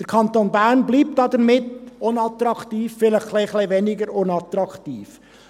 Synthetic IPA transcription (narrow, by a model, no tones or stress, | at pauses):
d̥əɾkʰɑnt̪oːnbæːɾnbliːp̚t̚ɑːd̪əɾmɪtʊnɑt̪ɾɑkt̪iːfːɪləχkleχlevɛnɪɡəɾʊnɑt̪ɾɑkt̪iːf